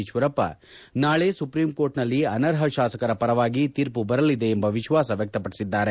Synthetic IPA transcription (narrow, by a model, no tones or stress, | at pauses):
iʃʋɐɾɐpːɐ̰ | naːɭe̞ːsupɾimkoːɾʈnɐlːiɐnɐɾɦɐʃaːsɐkɐɾɐpɐɾɐʋaːɡit̪iːɾpubɐɾɐlid̪e̞ːmbɐʋiʃʋaːsɐʋjɐk̚t̪ɐpɐɽisid̪ːaːɾe